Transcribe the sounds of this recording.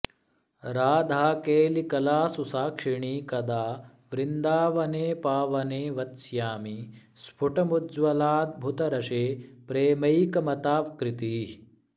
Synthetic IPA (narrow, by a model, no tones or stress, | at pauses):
ɾaːd̪ʱaːkeːlikɐlaːsusaːkʂiɳiːkɐd̪aː | ʋɾind̪aːʋɐneːpaːʋɐneːʋɐt̪sjaːmi | spʰuʈɐmud͡ʒʋɐlaːt̪̚bʱut̪ɐɾɐʃeːpɾeːmɐjkɐmɐt̪aːʋkɾɪt̪i